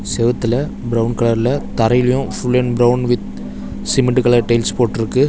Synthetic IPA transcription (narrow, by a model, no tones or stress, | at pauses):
sɛʋɐt̪ːɯlɐ | bɪɾɐʊnkɐɭɐɾɪlɐt̪ɐɾɐjɪlɐjʊ̃fʊɭːɛnbɾɐʊnʋɪt̪̚ | sɪmɪɖɯkɐɭɐɾʈeɪlspoːʈːɪɾɯkːɯ